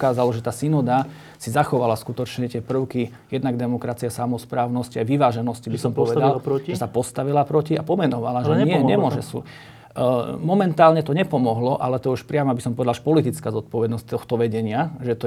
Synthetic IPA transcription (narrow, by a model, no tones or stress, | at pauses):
kaːzalɔʒɛt̪aːsinɔd̪a | sizaxɔʋalaskut̪ɔt͡ʃɲɛt̪ɪɛpr̩ʊki | jɛd̪naɡd̪ɛmɔkɾat͡siasamɔspɾaːʊnɔsciajʋiʋaːʒɛnɔscibisɔmpɔʋɛd̪alɾʒɛsapɔst̪aʋilapɾɔciapɔmɛnɔʋalaʒɲɲɪɛɲɲɛmʊɔʒɛ̰sṵ | mɔmɛnt̪aːlɲɛt̪ɔɲɛpɔmɔɦlɔʔalɛt̪ɔuʃpɾɪamɔabisɔmpɔʋɛd̪alʒɛ̥pɔlit̪it͡skaːzɔt̪̚pɔʋɛd̪nɔsct̪ɔxt̪ɔʋɛɟɛɲɪaʒɛt̪ɔ